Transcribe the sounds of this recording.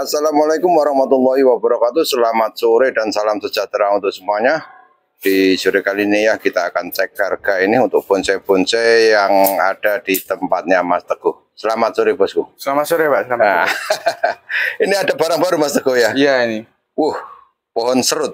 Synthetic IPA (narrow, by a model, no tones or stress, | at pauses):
asalamalakʊmwaɾɑhmat̪ulːɔɦiwabəɾɔkat̪usəlamat̪̚soɾɪd̥ansalamsəd͡ʒ̥at̪ɾaunt̪ʊksəmuaɲa | d̥id͡ʒuɾekalinijahkit̪aːkant͡ʃɛkarɡ̥ainɪunt̪ʊk̚b̥ʊnt͡ʃɛb̥ʊnt͡ʃɛjaŋaɖ̥ad̥it̪əmpat̪̚ɲamast̪əɡ̥ɔh | səlamat̪̚soɾɪb̥ɔskusəlamat̪soɾepaʔlaa | iniadabaɾaŋbaɾumast̪əɡ̥ɔhjajaini | wʊh | poɦɔnsəɾʊt̪̚